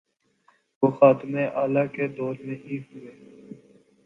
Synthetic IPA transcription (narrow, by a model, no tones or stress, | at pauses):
ʋoːxaːt̪mẽːʔaːlaːkeːd̪oːɾmẽːɦiɦʊeː